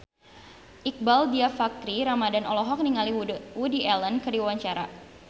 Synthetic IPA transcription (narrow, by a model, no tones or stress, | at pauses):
ʔik̚baldiafak̚tɾiɾamadanɔlɔɦɔk̚niŋaliwudiʔɛlənkərdiwawaɲt͡ʃaɾa̰